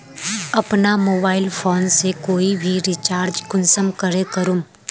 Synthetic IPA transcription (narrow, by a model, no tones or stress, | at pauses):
ɐpnamoːbaːɪlfʰoːnsekoːibʱiɾɪt͡ʃaːɾd͡ʒkʊnsəmkəɾekɐɾũm